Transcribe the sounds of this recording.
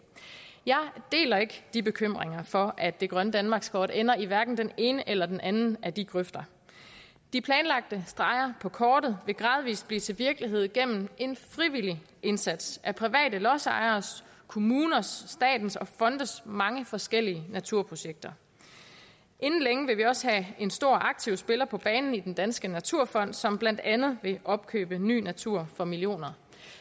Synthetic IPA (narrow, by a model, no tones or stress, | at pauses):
jɑ̈ɪd̥e̝̰ːlɐe̝ɡ̥d̥ib̥e̝kʰøm̰ʁeŋɐfɒ̽ʔæd̥ːe̝ɡ̥ʁɶnəd̥ænmɑ̈ːɡ̥skʰɒːd̥enɐiʋæɐɡ̥n̩d̥ene̝ːnəʔelɐd̥enʔænn̩ʔæd̥iɡ̥ʁœfd̥ɐ | d̥ipʰlɛːnlɑ̈ɡ̥̚d̥əsd̥ʁɑ̈ɪɐpʰɒ̽kʰɒːd̥ð̞̩ˠʋe̝ɡ̥ʁɑ̈ːð̞ˠʋḭːsb̥lḭːt͡sʰe̝lʋiɐɡ̥əliɦe̝ð̞̰ˠɡ̥em̰m̩e̝nfʁiʋili | ʔe̝nsæd̥sʔæpʰʁiʋɛ̰ːdəlɒ̽sɑ̰̈ɪɐːs | kʰo̝muːnɐsd̥ɛ̰ːd̥n̩sɒ̽fɒ̽nd̥ð̩ˠsmɑ̈ŋəfɒ̽sɡ̥el̰iənæt͡sʰuɐ̰pʰʁo̝ɕeɡ̥̚d̥ɐ | ʔe̝nn̩leŋəʋe̝ʋiɒ̽səhæe̝nsd̥o̝ɐ̰ʔɑ̈ɡ̥̚t͡sʰiʊsb̥e̝lɐpʰɒ̽b̥ɛːnn̩id̥end̥ænsɡ̥ənæt͡sʰuɐ̰fɒ̽n̰d̥sɒ̽mb̥læn̰d̥ænð̞̩ˠʋe̝ʔɒ̽b̥̚kʰø̰ːb̥əny̰ːnæt͡sʰuɐ̰fɒ̽miljo̝̰ːnɐ